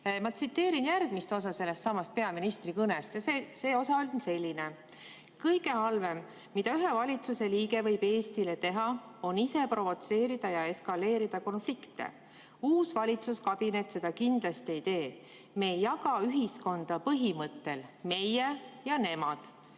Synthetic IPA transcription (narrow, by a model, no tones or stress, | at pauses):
mɑt̪sit̪ːe̞ːɾinjærɡ̥mist̪o̞sɑse̞lːe̞st̪sɑmɑst̪̚pe̞ɑminist̪rikɤnest̪jɑsese̞ːo̞sɑolʲnse̞lʲːine | kɤjɡ̥e̞hɑlve̞mː | id̪̥ɑyɦe̞vɑlʲit̪suse̞liːɡe̞vɤjb̥e̞ːst̪ile̞t̪e̞ɦɑ | o̞nise̞pro̞vo̞t̪se̞ːɾid̪̥ɑjɑe̞skɑle̞ːɾid̪̥ɑko̞nflikt̪ḛ | uːsvɑlʲit̪suskɑb̥inet̪ːˑse̞d̪̥ɑkind̪̥lɑst̪ie̞jt̪e̞ː | me̞ːjːɑɡɑyɦisko̞nd̪̥ɑpɤɦimɤt̪ːe̞lme̞jejɑne̞mɑd̪̥